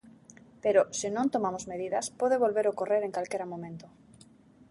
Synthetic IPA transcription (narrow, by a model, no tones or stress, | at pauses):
peɾosenõnt̪omamozmeð̞iðaspoðeβ̞olβeɾokoreɾeŋkalkeɾamõmẽnt̪o